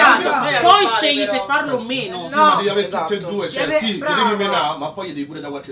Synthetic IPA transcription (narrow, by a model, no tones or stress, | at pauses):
apɔjʃejisefːarlomeːnosd̪ejiaveɾt̪ut̪ːed̪uːet͡ʃɛsiedemomenamapːɔjed̪ejipuːɾed̪akwalke